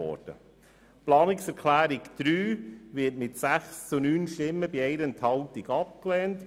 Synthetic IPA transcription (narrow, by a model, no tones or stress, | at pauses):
ɔ̰ɾd̥ə̰ | plɑːnɪksɛɾkʰlæːɾɪkd̪̥ɾyːvɪətmɪtsæχst͡sunyːnʃtɪmːəbiɛɪɾənthɑlt̪iɡɑp̚klɛːnt